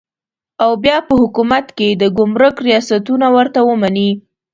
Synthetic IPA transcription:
awbjɑpəhʊkumat̪ked̪əɡʊmɾəkɾijɑsat̪unawəɾt̪awəmani

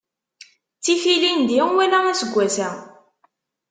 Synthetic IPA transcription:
t͡sːifilind̪iʁwælææsəɡʷːæsæ

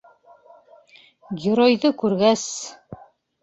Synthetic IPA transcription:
ɡʲĕɾojðɤkʉɾɡæs

